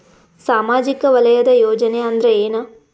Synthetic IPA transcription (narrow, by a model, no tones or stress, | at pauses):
saːmaːd͡ʒikɐʋɐlɐjɐd̪ɐjoːd͡ʒɐneɐnd̪ɾeeːna